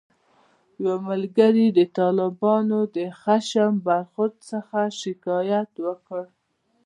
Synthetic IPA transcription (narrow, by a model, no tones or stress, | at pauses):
jwaməlɡaɾid̪ət̪ɑlɪbɑnod̪əxaʃəmbaɾxʊɾd̪səxaʃɪkɑjat̪wəkəɽ